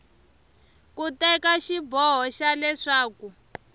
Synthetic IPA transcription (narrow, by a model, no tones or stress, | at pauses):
kutɛkaʃibɔɦɔʃalɛʂaːku